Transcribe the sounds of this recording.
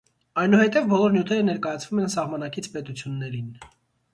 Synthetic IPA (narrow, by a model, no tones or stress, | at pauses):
ɑjnuhɛt̪ɛvbɔlɔɾnjut̪ʰɛɾənɛɾkɑjɑt͡sʰvumɛnsɑʁmɑnɑkit͡sʰpɛt̪ut͡sʰjunːɛɾin